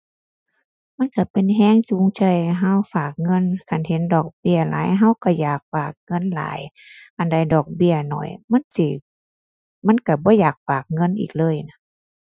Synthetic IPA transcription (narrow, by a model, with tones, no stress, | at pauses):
ma˧˥˨nka˧˩pe˨nɦɛː˧˥˨ŋt͡ɕu˧˨ŋt͡ɕa˧˩˨jɦa˧˥˨wfaː˨˩k̚ŋɤ˧˥˨nkʰa˧˩˨nhe˨˦ndɔː˨˩k̚bi˧˥˩ɐla̰ː˨˦jɦa˧˥˨wka˧˩jaː˨˩k̚faː˨˩k̚ŋɤ˧˥˨nla̰ː˨˦j | ʔa˨nda˧˩jdɔː˨˩k̚bi˧˥˩ɐnɔ̰˨˩jma˧˥˨nsi˧˩ | ma˧˥˨nka˧˩bɔː˧˦jaː˨˩k̚faː˨˩k̚ŋɤ˧˥˨nʔḭː˨˩k̚lɤː˧˥˨jna˧˥˦